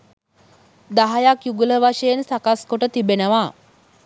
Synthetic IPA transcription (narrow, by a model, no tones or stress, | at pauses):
d̪aɦajakjuɡuləʋaʂejensakaskoʈət̪ibenəʋaː